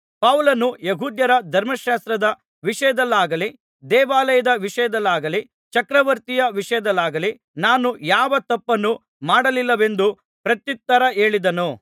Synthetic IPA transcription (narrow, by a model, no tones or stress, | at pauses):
pɐwlɐnujeɦuːd̪jɐɾɐd̪ʱɐɾmɐʃaːst̪ɾɐd̪ɐ | ʋiʂɐjɐd̪ɐlːaːɡɐli | d̪ɛːʋaːlɐjɐd̪ɐʋiʂɐjɐd̪ɐlːaːɡɐli | t͡ʃɐkɾɐʋɐɾt̪ijɐʋiʂɐjɐd̪ɐlːaːɡɐli | naːnujaːʋɐt̪ɐpːɐnːu | maːɽɐlilːɐʋe̞nd̪u | pɾɐt̪jit̪ːɐɾɐe̞ːɭid̪ɐnu